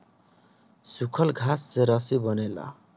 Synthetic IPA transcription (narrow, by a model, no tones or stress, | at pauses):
sukʰʌlɡʱast͡seɾʌsibʌnelʌ̰